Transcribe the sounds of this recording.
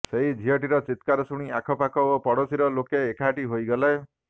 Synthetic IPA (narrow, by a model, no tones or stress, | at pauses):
seɦid͡ʒ̪ʱiɦɔʈiɾɔt͡ʃit̪kaɾɔsuɽ̃iakʰɔpakɔopɔɽɔsiɾɔlokeːkʰaʈiɦojɡɔlae